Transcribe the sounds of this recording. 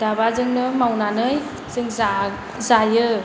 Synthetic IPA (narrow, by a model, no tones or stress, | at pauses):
d̥abazɯŋnɯmawnanɯj | z̥ɯŋza | zajɯ